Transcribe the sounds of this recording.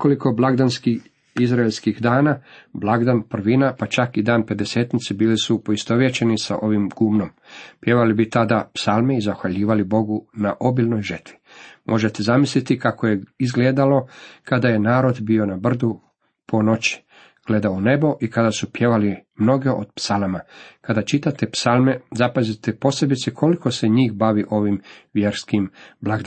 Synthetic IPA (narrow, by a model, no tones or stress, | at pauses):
nekoliko̞blˠaɡd̪anski | izɾaelskixd̪aːnablˠaɡd̪anpr̩ʋinapat͡ʃakid̪aːnpe̞d̪e̞seːt̪nit̪sebiːlisupo̞ist̪o̞ʋjet͡ɕenisa̰ʔo̞ʋimɡ̥uːmnom | pje̞ʋalibit̪ad̪apsaːlˠmeizaxʋaʎiːʋalibo̞ɡunaʔo̞biːlʲno̞jʒərt̪ʋi̥mʔo̞ʒe̞t̪ezamislit̪ikakoje̞izɡled̪alo̞kad̪aje̞naːɾo̞d̪bio̞nabr̩d̪u | pʰo̞no̞t͡ɕi̥ | ɡ̥le̞d̪aune̞bo̞ʔikad̪asupje̞ʋalimno̞ɡe̞ʔo̞̰d̪̚psalamakad̪at͡ʃit̪at̪e̞psalmezapazit̪epo̞se̞bit̪sekʰo̞liko̞seɲiːxbaʋiʔo̞ʋimʋje̞ɾskimblˠaɡd̪